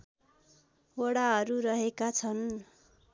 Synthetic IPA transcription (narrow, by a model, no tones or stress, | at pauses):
oɽaɦʌɾuɾʌɦekat͡sʰʌn